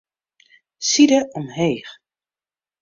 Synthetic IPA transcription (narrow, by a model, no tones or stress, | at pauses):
sidəʔɔmɦeːx